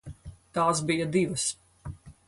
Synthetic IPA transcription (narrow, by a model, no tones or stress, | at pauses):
t̪aːsbijɐd̪iʋɐs